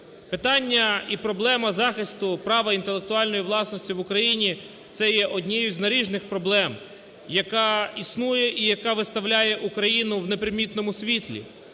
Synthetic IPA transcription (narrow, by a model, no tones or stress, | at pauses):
pɪt̪ɑnʲːɐipɾɔblˠɛmɐzɑxɪst̪ʊpɾɑʋɐint̪elˠek̚t̪ʊɑlʲnɔjiʋlˠɑsnɔsʲtʲiʋʊkɾɐjinʲi | t̪sɛjɛʔɔd̪ʲnʲɛjʊzʲnɐɾʲiʒnɪxpɾɔblˠɛm | jɐkɑisnujɛʔijɐkɑʋɪst̪ɐʋlʲajɛʔukɾɐjinʊʋne̞pɾɪmʲit̪nɔmʊsʲʋʲit̪ʲlʲḭ